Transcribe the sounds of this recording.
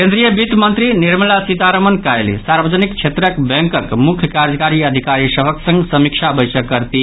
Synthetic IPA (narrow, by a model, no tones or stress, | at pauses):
kẽnd̪ɾijəbit̪mənt̪ɾiniɾməlasit̪aɾəmənkajlḭsaɾbəd͡ʒənikt͡ʃʰet̪ɾəkbẽŋkəkmukʰjəkaɾd͡ʒəkaɾiəd̪ʱikaɾisəbʱəksə̃ŋɡsəmiksʰabəjsəkːəɾt̪i